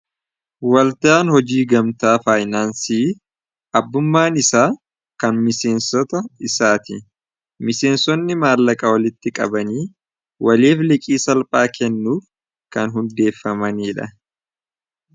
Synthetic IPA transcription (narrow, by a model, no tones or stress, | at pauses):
wɐlt̪aːnhɔd͡ʒiːɡɐmt̪aːfaːjnaːnsiː | ʔɐbːʊmːaːnɪsaː | kɐnmɪse̞ːnsɔt̪ɐɪsaːt̪ɪ̰ | mɪse̞ːnsɔnːɪmaːlːɐkʼɐwɐlɪt̪ːɪkʼɐ̰bɐniː | wɐleːflɪkʼiːsɐlpʼaːkʰɛnːuːf | kɐnɦʊnd̪e̞ːfːɐmɐniːᶑɐ̰